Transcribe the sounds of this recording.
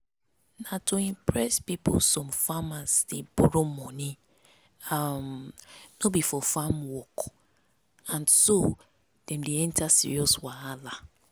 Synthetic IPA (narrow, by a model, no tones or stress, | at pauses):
natʰoimpɹɛspipo̰sɔ̃mfamasdebʊɾomɔni | amnobifɔfamwɔk | ãnso | d̥ɛ̃m̩diɛntasḭɹiɔswaala